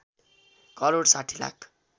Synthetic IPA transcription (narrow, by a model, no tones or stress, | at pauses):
kʌɾoɽsaʈʰila̰kʰ